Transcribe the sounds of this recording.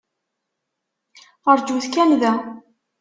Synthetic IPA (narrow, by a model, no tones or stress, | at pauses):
əɾd͡ʒuθkænðæ